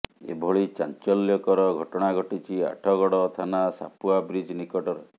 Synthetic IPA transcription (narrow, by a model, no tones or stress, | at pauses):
ḛbʱɔɭit͡ʃant͡ʃɔljɔkɔɾɔɡʱɔʈɔɽ̃aɡʱɔʈit͡ʃʰia̰ʈʰɔɡɔɽɔt̪ʰanasa̰puabɾid͡ʒnikɔʈɔɾɔ